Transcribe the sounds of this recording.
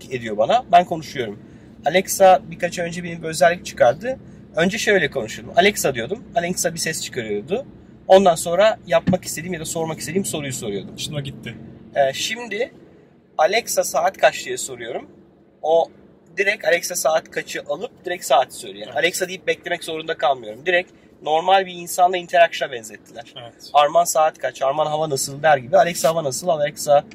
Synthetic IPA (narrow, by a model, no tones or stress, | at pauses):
ed̪ijo̞banabænkʰo̞nuʃujo̞ɾum | alʲɛksabikat͡ʃʰaø̞nd͡ʒɛbenibø̞zɛlʲːic̚t͡ʃʰɯ̥kʰaɾd̪ɯ | ø̞nd͡ʒɛʃøjlʲɛkʰo̞nuʃujd̪umʔalʲɛcsad̪ɯjo̞d̪umalʲɛksabisɛst͡ʃʰɯ̥kʰaɾɯjo̞d̪ʊ | o̞nd̪anso̞nɾajapmaki̥st̪ed̪iːmjad̪aso̞ɾmakist̪e̞d̪iːmso̞ɾujuso̞ɾujo̞d̪umʃɯnaɟit̪ʰːɪɛːʃimd̪ɪ | alʲɛcsasaːt̪kʰat͡ʃlˠɯjaso̞ɾujo̞ɾum | o̞ | d̪iɾɛcalʲɛcsasaːt̪kʰat͡ʃʰɯʔalˠɯp̚d̪̥iɾɛcsaːt̪ʰsøjlʲijɛalʲɛksad̪ijip̚bɛclʲe̞mɛczo̞ɾund̪akʰalˠmɯjo̞ɾumd̪iɾɛc | no̞ɾmalʲbiːnsanlˠaint̪ʰeɾakʃabɛnzʲɛt̪ʰːilʲæɾ̥ɛɛaɾmansaːt̪kʰat͡ʃʰaɾmanɦavanasɯlˠd̪æɾɟibialʲɛksahavanasɯlˠalɛksa